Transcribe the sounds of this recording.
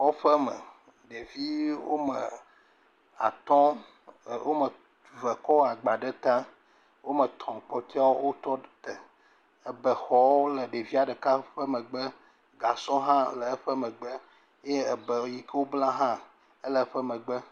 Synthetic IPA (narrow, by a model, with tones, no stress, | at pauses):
ɔ˦ɸə˦mə̰˨ | ɖe˨vi˦wo˦mə̰˨ | a̰˨t̪ɔ̃˦˨ | wo˦mə˨ | və˨kɔ˦a˨ɡ͡ba˨ɖə˦t̪ã˦ | wo˦mə̃˨t̪ɔ̃˨k͡pɔ˨t̪i˦a˦o˦wo˦t̪ɔ˦t̪ə˨ | ə˦bə˨xɔ˦wo˦lə˨ɖe˨vi˦a˨ɖə˨ka˦ɸə˦mə̃˨ɡ͡bə˦ | ɡa˨sɔ̃˦ɦã˦lə˨e˦ɸə˦mə̃˨ɡ͡bə˦ | e˦ə˨bə˨˦ji˦kə˦wo˦blã˦ɦã˦ | ə˦lə˦˨˦ɸə˦mə̃˨ɡ͡bə˦